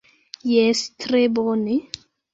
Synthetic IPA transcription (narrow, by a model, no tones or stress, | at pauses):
jɛst̪ɾebɔne